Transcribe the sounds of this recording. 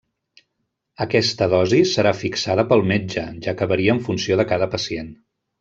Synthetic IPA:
əkɛst̪əðɔzisəɾafiksaðəpəlˠmed͡ʒəʒakəβəɾiəːɱfunsioðəkaðəpəsien

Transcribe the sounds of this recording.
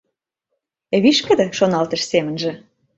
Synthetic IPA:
eβiʃkə̆d̪ə̆ʃonɑlt̪ə̆ʃsemə̆nʒĕ

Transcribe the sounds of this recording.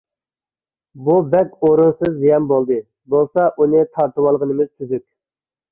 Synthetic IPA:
bubɛkʲoɾunsɨzjɛmbolˠd̪ɨ | bolˠsɑʔunɨt̪ʰɑɾt̪ɨwɑlˠʁənɨmɪz̥t̪ʰyzykʲ

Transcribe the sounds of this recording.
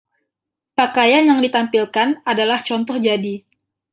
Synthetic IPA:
pakajanjaŋdit̪ampilkanadalaht͡ʃɔnt̪ɔhd͡ʒadi

